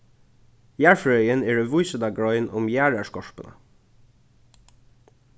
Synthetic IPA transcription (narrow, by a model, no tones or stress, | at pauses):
jæːɹfɹœʏəneːɖeːʋʊʏsəd̪ɑːɡɹɔʏnʊmjæːɹæːʃkɔʃpənʔə̰